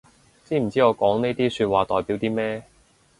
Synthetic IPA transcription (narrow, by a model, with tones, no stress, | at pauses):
t͡siː˥m̩˨˩t͡siː˥ŋɔː˨˧kɔː˨˥ŋne˥jt̪iː˥syː˧t̚waː˨t̪ɔː˨jpi˨˥wt̪iː˥mɛː˥